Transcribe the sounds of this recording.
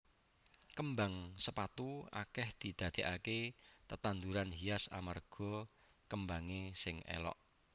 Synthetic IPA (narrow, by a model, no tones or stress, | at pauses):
kəmbaŋsəpat̪ua̰kɛhd̪̥i̤d̪̥ä̤d̪̥e̤ʔaket̪ət̪and̪uɾanɦiasa̰marɡ̥ɔ̤ | kəmbaŋesɪŋḛlɔ̰ʔ